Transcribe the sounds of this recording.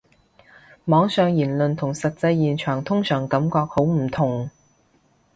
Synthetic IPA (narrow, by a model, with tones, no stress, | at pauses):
mɔː˨˥ŋsœː˨˧ŋjiː˨˩nlɵ˨nt̪ʰʊ˨˩ŋsɐ˨t̚t͡sɐ˧jːiː˨nt͡ʃʰœː˨˩ŋt̪ʰʊ˥ŋsœː˨˩ŋkɐ˨˥mkɔː˧k̚ho˨˥wm̩˨˩t̪ʰʊ˨˩ŋ